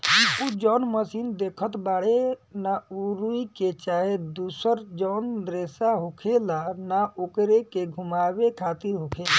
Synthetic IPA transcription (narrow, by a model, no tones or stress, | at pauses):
pud͡ʒɔnməsind̪ekʰət̪baɽenauɾuiket͡ʃaɦed̪usəɾd͡ʒɔnɾesaɦokʰelanaokɾekeɡʱumabekʰat̪iɾɦokʰea